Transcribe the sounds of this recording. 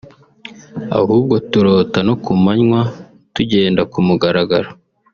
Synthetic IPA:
a̰huːb̚ɡo̞tuɾo̞ːtanokumaɲwa | tuɟe̞ːndakumuɡaɾaɡaɾa

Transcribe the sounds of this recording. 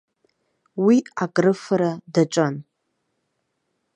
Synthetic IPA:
wiakʼrɨfaɾadaʈ͡ʂʷʼan

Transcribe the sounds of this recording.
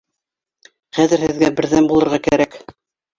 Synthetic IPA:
χæðɘ̆ɾhɘ̆ðɡæbɘ̆ɾðæmbulˠɤ̆ɾʁɑkæɾæk

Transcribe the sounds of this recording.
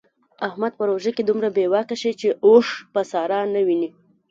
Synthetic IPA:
ahmad̪̚pəɾoʒaked̪umɾabewɑkaʃit͡ʃeʔoʂpəsɑɾɑnawini

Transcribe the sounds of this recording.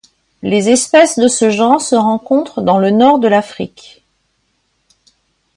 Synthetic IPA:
lezɛspɛsd̪əsəʒɑ̃ʁsəʁɑ̃kɔ̃t̪χd̪ɑ̃lənɔʁd̪əlafχik

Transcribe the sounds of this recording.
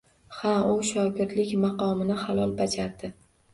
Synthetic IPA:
haʊʃɒɡʲɪɾd̪lɪkʲmɑqɒmɪnɪhalˠɒlˠbad͡ʒaɾd̪ɪ

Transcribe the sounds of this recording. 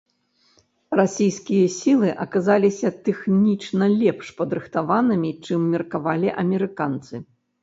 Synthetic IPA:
rasʲijskʲijɐsʲilˠɨʔɐkazalʲisʲɐt̪ɛxnʲit͡ʂnɐlʲɛpʂpɐd̪ɾɨxt̪avanɨmʲit͡ʂɨmːʲɛrkavalʲiʔɐmʲɛɾɨkant̪sɨ

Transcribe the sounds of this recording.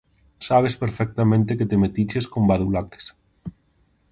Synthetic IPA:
saβ̞espeɾfɛk̚t̪amẽnt̪eket̪emet̪it͡ʃeskombaðulake̥s

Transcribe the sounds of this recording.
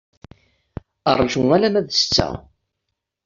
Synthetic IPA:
ərˤːʒuælæmæðst͡sːæ̰

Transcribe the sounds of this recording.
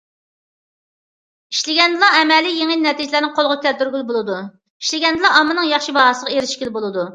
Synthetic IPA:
iʃlɪɡʲɛnd̪ɨlˠɑɛmɛlːijeŋɪnnɛt̪id͡ʒɪlæɾnɪŋqʰolˠʁʊkʲɛlt̪yɾɡʲylbolˠɨd̪u | iʃlɪɡʲɛnd̪ɨlˠɑɑmːɨnɨŋjɑχʃibɑɦɑsəʁɑeɾɪʃkʲilbolˠɨd̪u

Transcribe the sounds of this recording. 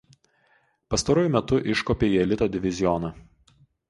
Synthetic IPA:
pɐst̪ɐɾoːjʊmʲɛt̪ʊʔɪʃkoːpʲeːjɛlʲɪt̪oːd̪ʲɪʋʲɪzʲɪjɔnɐ

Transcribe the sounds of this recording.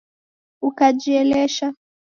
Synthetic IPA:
ukad͡ʒiɛlɛʃa

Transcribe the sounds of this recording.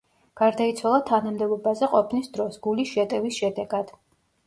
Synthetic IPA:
ɡ̥aɾd̪ait̪sʰwalˠat̪ʰanamd̪ɛbɔbazɛqʼɔpʰnisd̪ɾɔsɡulisʃɛt̪ʼɛvisʃɛd̪ɛɡad̪̥

